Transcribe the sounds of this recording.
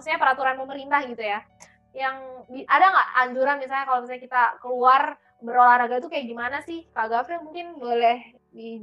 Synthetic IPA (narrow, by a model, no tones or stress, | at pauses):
sɲapəɾat̪uɾanməməɾint̪ahɡit̪uja | jaŋbiʔadaŋɡaʔaɲd͡ʒuɾanmisalɲakalomisaɲakit̪akəluar | bəɾolahɾaɡat̪ukajakɡimanasɪhkaɡakujaŋmuŋkɪnbolɛh | di